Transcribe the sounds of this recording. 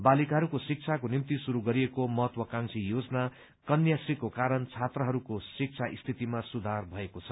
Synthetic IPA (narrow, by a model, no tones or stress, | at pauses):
balikaɦʌɾukosik̚t͡sʰakonimt̪isuɾuɡʌɾiekomʌɦʌt̪wʌkãŋsʰijod͡zʌna | kʌnjasikokaɾʌnt͡sʰat̪rʌɦʌɾukosik̚t͡sʰaʔist̪ʰit̪imasud̪ʱarbʱʌekot͡sʰʌ̥